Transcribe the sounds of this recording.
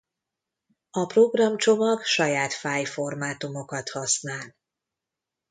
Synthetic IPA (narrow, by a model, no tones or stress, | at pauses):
ɒproɡrɒmt͡ʃo̞mɒɡʃɒjaːt̪faːjfo̞rmaːt̪umo̞kɒt̪hɒsnaːl